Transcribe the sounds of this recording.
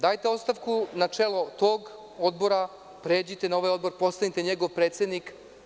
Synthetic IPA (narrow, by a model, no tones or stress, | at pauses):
d̪aːjt̪eost̪aʋkunat͡ʂelˠo̞t̪oːɡ | od̪bo̞ɾa | pɾe̞ːd͡ʑit̪enaoʋajo̞d̪bo̞ɾpo̞st̪anit̪e̞ɲeɡo̞ʋpɾet̪sed̪nik